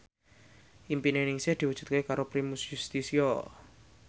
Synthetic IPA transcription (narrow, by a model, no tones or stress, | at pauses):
ʔimpinenɪŋsɪhd̪̥i̤wud̥ʒ̥ṳt̪̚kekaɾopɾimusjust̪isio